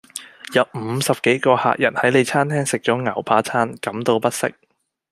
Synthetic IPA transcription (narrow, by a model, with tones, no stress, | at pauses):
jɐ˨˧wm̩˨˧sɐ˨p̚ke˨˥jkɔː˧ha̰ː˨k̚jɐ̰˨˩nhɐ˨˥jle˨˧jt͡sʰaː˥nt̪ʰɛː˥ŋsɪ˨k̚t͡sɔː˨˥ŋɐ˨˩wpʰaː˨˥t͡sʰaː˥nkɐ˨˥mt̪o˧wpɐ˥t̚sɪ̰˥k̚